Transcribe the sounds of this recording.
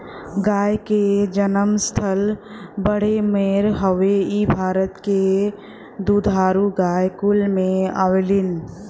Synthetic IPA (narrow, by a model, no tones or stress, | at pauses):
ɡaːjked͡ʒənəmst̪ʰəlbəɽ̤emeːɾɦəʋeibʱaːɾət̪ke | d̪ud̪ʱaːɾuɡaːjkʊlmẽa̰ːʋeːlɪn